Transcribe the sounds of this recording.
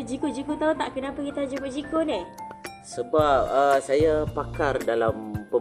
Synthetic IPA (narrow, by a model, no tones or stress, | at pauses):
d͡ʒikoʔd͡ʒikot̪aut̪aʔkənãpəkit̪ad͡ʒikoʔd͡ʒikonɪ | səbap̚əsajapakardalampə